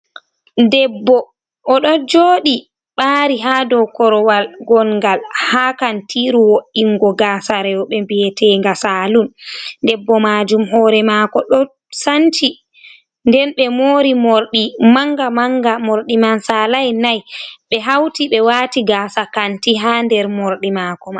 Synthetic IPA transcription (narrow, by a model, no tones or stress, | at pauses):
dɛbːɔ | ɔɗɔd͡ʒoːɗi | ɓaːɾiɦadɔkɔɾɔwalɡɔnɡalhaːkantʰiɾuwoʔiŋɡɔɡaːsaɾɛwɔɓɛmbiɛtɛŋɡasalundɛbːɔmad͡ʒumɦɔːɾɛmakɔɗɔ | santi | ndɛnɓɛmoːɾimoɾɗimaŋɡamaŋɡamoɾɗimansalajnajɓɛɦawtiɓɛwaːtiɡaːsakantiɦandɛɾmoɾɗimaːkɔma